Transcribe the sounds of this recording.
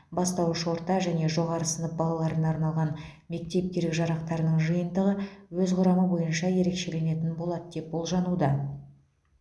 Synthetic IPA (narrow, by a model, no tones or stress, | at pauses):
bɑst̪ɑwəʃwo̞ɾt̪ɑʒæne̞ʒo̞ʁɑɾəsənəp̚bɑlˠɑlˠɑɾənɑɾnɑlˠʁɑnme̞k̚t̪e̞p̚k̪ʲe̞ɾlɪkʒɑɾɑqt̪ɑɾənəɴʒəjənd̪əʁəwɵzqʰʊɾɑməbo̞jənʃɑje̞ɾe̞kʃe̞le̞ne̞t̪ɪnbo̞lˠɑd̪əd̪̥e̞p̚bo̞lˠʒɑnud̪ɑ